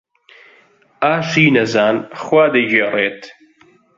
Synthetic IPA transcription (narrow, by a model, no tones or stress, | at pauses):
aːʃiːnɐzaːnxwaːd̪ɐd͡ʒeːrˤeːt̪